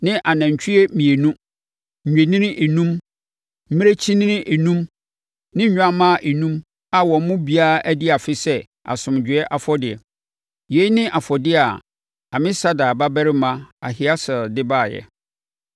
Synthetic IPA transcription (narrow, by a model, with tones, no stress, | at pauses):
nɪ̃˦ʔa˨nã˨ɲ˨t͡ɕʰᶣi˦ɛ˦mĩ˨e˨nũ˦˨ | ɲᶣe˨nɪ̃˦nɪ̃˦ʔe˨nũ˦m̩˦ | mɪ̃˦e˦t͡ɕʰi˦nɪ̃˦nɪ̃˦ʔe˨nũ˦m | nɪ̃˦ɲ̩˦ɲᶣ˦ã˦mã˦ʔe˨nũ˦m | a˨wɔ̃˨˦mʊ̃˦bi˨˦a˦ʔæ˦dɪ˦a˨fɪ˦sɛ˦ | a̰˨sʊ̃˨md͡ʑᶣɪ˨˦ɛ˦ʔa˨fɔ˦dɪ˨ɛ̰˨ | je˨˦nɪ̃˦ʔa˨fɔ˨dɪ˦a˨ | a˨mɪ̃˦sa˦daː˨ba˦bæ˦ɾɪ˦mã˦a̰˨hɪ˦a˦sɛ˨dɪ˦baː˦˨jɛ̰˨